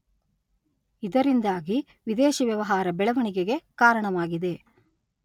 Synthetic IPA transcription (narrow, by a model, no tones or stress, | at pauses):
id̪ɐɾind̪aːɡi | ʋid̪eːʃɐʋjɐʋɐɦaːɾɐbɛɭɐʋɐɳiɡeɡekaːɾɐɳɐʋaːɡid̪e̞